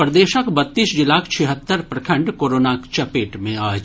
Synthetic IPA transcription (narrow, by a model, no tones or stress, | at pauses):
pɾɐd̪eːʃəkbɐt̪ːiːsd͡ʒɪlaːkt͡ʃʰɛɦət̪ːəɾpɾɐkʰə̃ɳɖkoːɾoːnakt͡ʃɐpeːʈmẽaː